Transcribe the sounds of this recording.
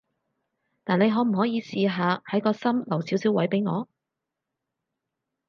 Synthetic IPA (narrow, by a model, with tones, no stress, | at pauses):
t̪aː˨ne˨˧jɦɔː˨˥m̩˨˩ɦɔː˨˥jiː˨˧siː˨ɦaː˨˧hɐ˨˥jkɔː˧sɐ˥mlɐ˨˩wsiː˨˥wsiː˨˥wɐ˨˥jpe˨˥jŋɔ̰ː˨˧